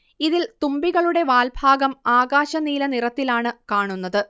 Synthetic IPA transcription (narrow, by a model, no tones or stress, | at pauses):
iðilt̪umbiɣɐɭuɽe̞ʋaːlbʱaːɡɐmaːɡaːɕɐniːlɐnirɐt̪ːilaːɳɨkaːɳunːɐðɨ